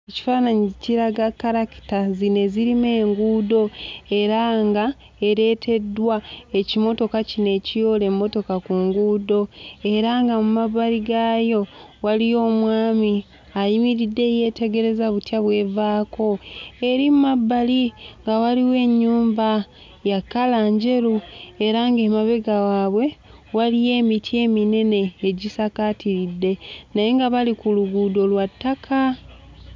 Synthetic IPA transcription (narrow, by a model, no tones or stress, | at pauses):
eci̥faːnaɲiciɾaɡakːaɾaki̥tazine̞ziɾime̞ːŋɡuːdo̞e̞ɾaŋɡa | e̞ɾe̞ːtʰe̞dwae̞cimo̞to̞kacine̞cijo̞le̞mːo̞to̞kakuŋɡuːdo̞e̞ɾaŋɡamumaβaliɡaːjo̞walijo̞ːmwaːmi | ajimiɾidːe̞ːje̞ːte̞ɡe̞ɾe̞zaβutjaβwe̞ːvaːko̞e̞ɾimumabːaliŋɡawaliwe̞ːɲːuːmba | jakːalaːɲɟe̞ɾue̞ɾaŋɡemaβe̞ɡawaːβwe̞ | walije̞ːmitʰje̞ːmine̞ne̞ːɟisakatiɾidːe̞naje̞ŋɡaβalikuluɡudo̞lwatːakʰa